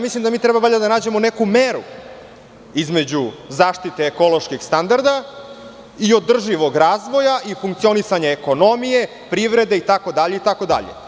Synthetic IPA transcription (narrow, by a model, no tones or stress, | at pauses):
mislˠimd̪amiːt̪ɾebabaʎad̪anaːd͡ʑe̞mone̞kumeɾu | izme̞d͡ʑuzaːʃt̪it̪eːko̞lo̞ʃkixst̪and̪aɾd̪a | io̞d̪r̩ʒiʋo̞ɡɾaːzʋo̞jaʔifuŋkt̪sio̞nisaɲaeko̞no̞mije̞ | pɾiʋɾe̞d̪eit̪ako̞d̪aʎeit̪ako̞d̪a̰ʎḛ